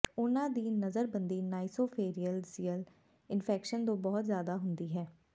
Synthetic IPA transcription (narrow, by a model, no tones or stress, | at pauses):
ʊnãːd̪iːnəzəɾbənd̪iːnaːisoːpʰeːɾiːəlziːəl | ɪnpʰɛːkʃənd̪õːbɔːt̪zjaːd̪aːɦʊnd̪iːɦɛː